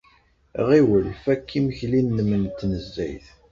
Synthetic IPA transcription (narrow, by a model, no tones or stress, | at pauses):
ʁiwəlfækʰːimçlinːəmːənt̪ːnəzːæ̰jθ